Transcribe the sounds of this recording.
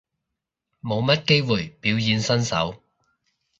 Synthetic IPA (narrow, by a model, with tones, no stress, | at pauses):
mo˨˧wmɐ˥t̚ke˥jwuː˨˩jpiː˨˥wjiː˨˧nsɐ˥nsɐ̰˨˥w